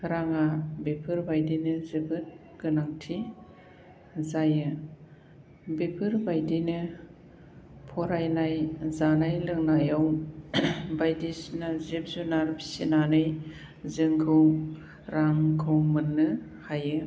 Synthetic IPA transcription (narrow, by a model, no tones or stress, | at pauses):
kɯɾaŋabepʰɯɾbajdinɯzɯbɯt̚ | ɡ̥ɯnaŋtʰi | zajɯ | bepʰɯɾbajdinɯ | pʰɔɾajnajzanajlɯŋnajaw | bajdisnazep̚zunaɾbi̥sinanɯj | zɯŋkʰɯw | ɾaŋkʰɯwmɯnːɯ | hajɯ